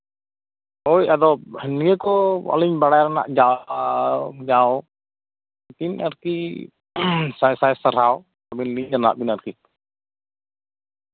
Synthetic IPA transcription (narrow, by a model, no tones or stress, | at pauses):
ojad̪ɔhɛniɛkɔɔ̰liɲbaɽajɾana̰ʔd͡ʒa | d͡ʒaw | kinaɾki | sajsasaɾaw | t̪abinliɲɾana̰ʔbinaɾki